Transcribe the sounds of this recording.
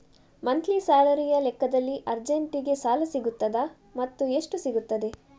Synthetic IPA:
mɐnt̪ʰlisaːlɐɾijɐlɛkːɐd̪ɐlːiʔɐɾd͡ʒeɳʈiɡe̞saːlɐsiɡut̪ːɐd̪ɐ | mɐt̪ːue̞ʂʈusiɡut̪ːɐd̪e̞

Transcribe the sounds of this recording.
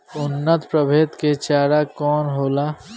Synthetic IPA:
ʊnːət̪pɾəbʱeːt̪ket͡ʃaːɾakɔːnɦoːlaː

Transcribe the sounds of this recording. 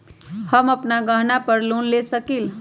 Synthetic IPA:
həməpnaɡəɦnapəɾlunlesəkil

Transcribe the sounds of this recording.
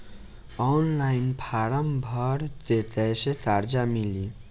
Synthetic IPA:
ɔnlajnpʰaɾəmbʱəɾt̪et̪ɛjset̪aɾd͡ʒamili

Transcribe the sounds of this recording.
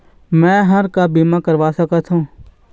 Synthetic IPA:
mɛ̃ːɦɐɾkabiːmakɐɾʋaːsɐkət̪ʰɦũː

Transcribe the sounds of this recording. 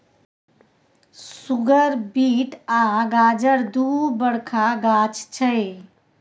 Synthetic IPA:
suɡəɾbiʈaɡad͡ʒəɾd̪ubəɽkʰaɡat͡ʃʰt͡ʃʰəj

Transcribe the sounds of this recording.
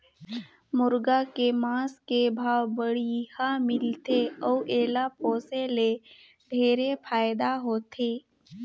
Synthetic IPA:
mʊɾɡakemãːskebʱaːwbəɽihamɪlt̪eɔʔeːlapoːsele | ɖʱeːɾepʰaːjd̪aɦoːt̪ʰeː

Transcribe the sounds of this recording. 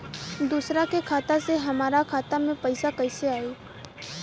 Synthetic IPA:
d̪uːsɾakekʰaːt̪aseɦɐmaːɾakʰaːt̪amẽpəɪsakɐɪseaːiː

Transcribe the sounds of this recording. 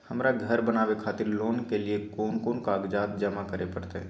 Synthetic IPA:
həmɾaɡʱəɾbənaːʋekʰaːt̪ɪɾloːnkeliekoːnkoːnkaːɡd͡ʒaːt̪̚d͡ʒəmakəɾepəɾt̪e

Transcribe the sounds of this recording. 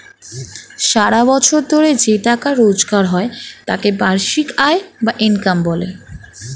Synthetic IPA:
ʃaɾabɔt͡ɕʰoɾd̪ʱoɾed͡ʑeʈakaɾod͡ʑɡaɾɦɔet̪a̰kebaɾʃikaebaʔinkambɔlḛ

